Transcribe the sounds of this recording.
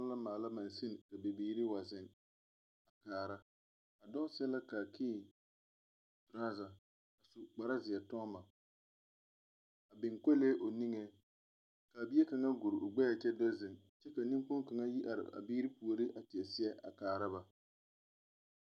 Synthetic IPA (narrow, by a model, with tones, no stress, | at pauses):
la˦maː˨la˦ma˨nsɪ˦n˨ka˨be˨biː˦ɾi˦wa˨zɪ˨n | a˨kaː˨ɾa˦ | a˨dɔ˦sɛ˦la˦ka˨kʰiː˦˨ | tɾaː˦za˨ | a˨su˨k͡pa˨ɾa˦zɪ˨ɛ˨tɔ˦ba˨ | a˨bɪ˨ŋko˦le˦ʔo˨ni˦ŋe˦ | ka˨bi˦e˦ta˨ŋa˦ɡu˨ɾʔʊ˨ɡ͡bɛ˦a˨t͡ʃɛ˦dɔ˦zɪ˨n | t͡ʃɛ˦ka˨nɪ˦ŋ˦k͡pʊ˦ŋka˨ŋa˦ji˦ʔa̰˨ɾɪ̰˨a̰˨biː˦ɾi˦pu˨o˨ɾi˦ʔa˨tɪ˨ɛ˨sɪ˦ɛ˦ʔa̰˨kaː˨ɾa˦ba˨